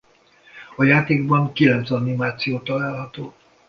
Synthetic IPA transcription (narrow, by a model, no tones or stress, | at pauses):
ɒjaːt̪eːɡbɒŋkilɛnt̪sɒnimaːt̪sijoːt̪ɒlaːlɦɒt̪oː